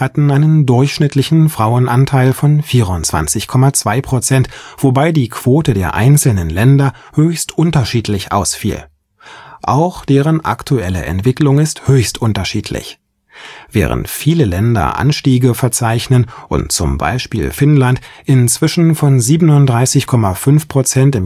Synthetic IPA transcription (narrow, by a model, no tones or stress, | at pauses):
hatn̩ʔaɪnəndʊɐçʃnɪtʰlɪçn̩fʁ̥aʊənʔantʰaɪlfɔnfiːʁʊnt͡sv̥a̰nt͡sɪçkʰɔmat͡sv̥aɪpʁ̥ot͡sɛntv̥obaɪdiːkʰv̥oːtədeːɐʔa̰ɪnt͡sl̩nənlɛndɐhøːçstʔʊntɐʃiːtʰlɪçʔa̰ʊsfḭːl | ʔa̰ʊxd̥eːʁ̞ənʔa̰ktʰuʔɛlə̰ʔɛ̰ntv̥ɪklʊŋɪsthøːçstʔʊntɐʃiːtʰlɪ̰ç | vɛ̰ːʁə̰ntfiːləlɛndɐ̰ʔa̰nʃtiːɡəfɛɐt͡saɪçnənʔʊ̰ntt͡sʊ̰mba̰ɪʃpḭːlfɪnlantʔɪnt͡sv̥ɪʃn̩fɔnziːbənʊntdʁaɪsɪçkʰɔmafʏnfpʁ̥ot͡sɛntɪm